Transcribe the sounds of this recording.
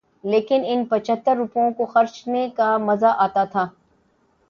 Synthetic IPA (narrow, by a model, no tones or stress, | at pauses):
leːkɪnɪnpɐt͡ʃʰət̪ːəɾːʊpõkoxɐɾt͡ʃnekamɐzaʔaːt̪at̪ʰaː